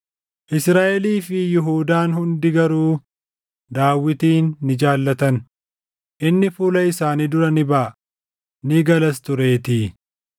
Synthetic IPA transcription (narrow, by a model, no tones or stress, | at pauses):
ʔɪsɾaːʔɛliːfɪjɪɦuːd̪aːnhʊnd̪ɪɡɐɾuː | d̪aːwːɪt̪iːnːɪd͡ʒaːlːɐt̪ɐn | ʔɪnːɪfuːlɐɪsaːniːd̪ʊɾɐnɪbɐʔ | nɪɡɐlɐst̪ʊɾe̞ːt̪iː